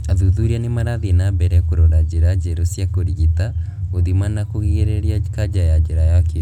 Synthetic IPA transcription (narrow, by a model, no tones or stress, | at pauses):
aðuðuɾianemaɾaðenabɛɾɛkoɾɔɾad͡ʒeɾad͡ʒɛɾosjakoɾiɣita | oðimanakoɣiɣeɾeɾiakad͡ʒajad͡ʒeɾajaki